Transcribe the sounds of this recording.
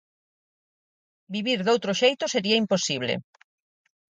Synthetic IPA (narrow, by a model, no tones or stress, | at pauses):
biβiɾðowt̪ɾoʃejt̪oseɾiɐimposiβ̞lḛ